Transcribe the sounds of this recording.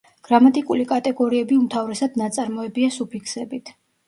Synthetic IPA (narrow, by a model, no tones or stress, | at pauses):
ɡ̥ɾamat̪ʼikʼulikʼat̪ʼɛɡɔɾiɛbiumt̪ʰavɾɛsad̪̥nat̪sʼaɾmɔɛbiasupʰikʰsɛbit̪ʰ